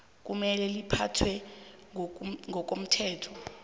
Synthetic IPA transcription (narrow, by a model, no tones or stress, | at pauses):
k̬ʼumɛlɛlipʰatʰwɛ | ŋɡʱɔk̬ʼom̩tʰɛːtʰɔ̥